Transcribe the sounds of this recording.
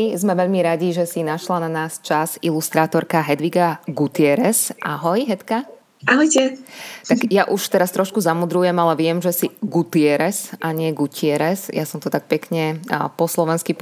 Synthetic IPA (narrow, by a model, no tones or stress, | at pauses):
izmɛʋɛʎmiɾaɟiʒɛsinaʃlananaːst͡ʃazilust̪ɾaːt̪ɔɾkaɦɛd̪ʋiɡaɡut̪ɪɛɾɛsʔa̰ɦɔjɦɛt̪ka | aɦɔjcɛt̪aɡjaʔuʃt̪ɛɾast̪ɾɔʃkuzamud̪ɾujɛmalɛʋɪɛmʒɛsiɡut̪iɛɾɛsʔaɲɪɛɡucɪɛɾɛsjasɔmt̪ɔt̪ak̚pɛkɲɛpɔslɔʋɛnskip